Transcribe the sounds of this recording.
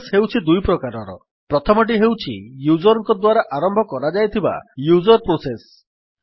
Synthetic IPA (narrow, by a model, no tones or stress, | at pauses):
sɦewt͡ʃʰid̪ujpɾɔkaɾɔɾɔ̰ | pɾɔt̪ʰɔmɔʈ̬iɦewt͡ʃʰḭjud͡ʒɔɾɔŋkɔd̪waɾaʔaɾɔmbʱɔkɔɾad͡ʒajt̪ʰiba̰jud͡ʒɔɾpɾoses